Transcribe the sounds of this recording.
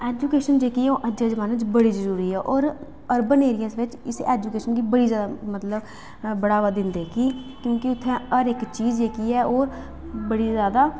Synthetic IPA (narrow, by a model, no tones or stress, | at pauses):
ɛːd͡ʒuːkeːʃənd͡ʒeːkiːoːʔəd͡ʒeːd͡ʒəʋaːnɪt͡ʃbəɽiːzəɾuːɾiːɛːʔɔːɾ | əɾbəneːɾɪjəsʋɪt͡ʃɪsɛːd͡ʒuːkeːʃənkiːbəɽiːzjaːd̪amət̪ləb | bəɽaːʋaːd̪ɪnd̪eːkiːkjõːkɪʊt̪ʰːɛ̃ːəɾɪkt͡ʃiːzd͡ʒeːkiːɛːʔoːɾ | bəɽiːzjaːd̪aː